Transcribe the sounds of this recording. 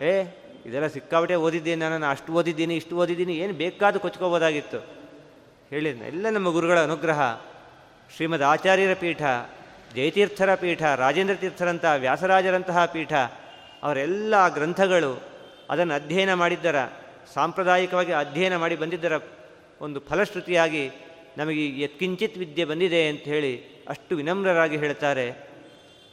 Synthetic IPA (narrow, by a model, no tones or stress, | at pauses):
eː | id̪ɛlːɐsikːaːbiʈeɦoːd̪id̪ːeːninaːnunaɐʂʈuɦoːd̪id̪ːiːniːʂʈuɦoːd̪id̪ːiːnieːnubeːkaːd̪ukot͡ʃːkoboːd̪aːɡit̪ːu | heːɭiɛ̰lːɐnɐmːɐɡuɾuɡɐɭɐːnuɡɾɐɦɐ̰ | ʃɾiːmɐd̪aːt͡ʃaːɾjɐɾɐpiːʈʰɐ | d͡ʒɐjt̪iːɾt̪ʰɐɾɐpiːʈʰɐɾaːd͡ʒeːnd̪ɾɐt̪iːɾt̪ʰːɐɾɐnt̪ɐɦɐʋjaːsɐɾaːd͡ʒɐɾɐnt̪ɐɦɐpiːʈʰɐ | ɐ̰ʋɐɾɐɛlːɐɡɾɐnt̪ʰɐɡɐɭu | ɐ̰d̪ɐnːɐd̪ʱjɐjɐnɐmaːɽid̪ːɐɾɐ̰ | saːmpɾɐd̪aːjikɐʋaːɡiɐd̪ʱjɐjɐnɐmaːɽibɐnd̪id̪ːɐɾɐ | ond̪upʰɐlɐʃɾut̪ijaːɡi | nɐmɐɡejet̪̚kiɲt͡ʃit̪ʋid̪jɐbɐnd̪id̪e̞ɐnt̪ɐɦe̞ːɭi | ɐ̰ʂʈuʋinɐmɾɐɾaːɡiɦeːɭt̪aːɾe̞